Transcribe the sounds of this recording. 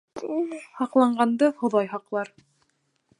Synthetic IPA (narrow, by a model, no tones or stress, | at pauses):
hɑqlˠɑɴɢɑnd̪ɤhŏðɑjɦɑqlˠɑɾ